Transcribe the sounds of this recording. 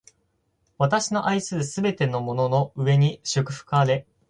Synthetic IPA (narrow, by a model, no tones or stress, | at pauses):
βat̪aɕino̞ʔaisɨːsɨbe̞t̪e̞no̞mo̞no̞no̞ɯ̟e̞ɲ̟iɕɨkɯ̟̥ɸɯ̥kaːɾe̞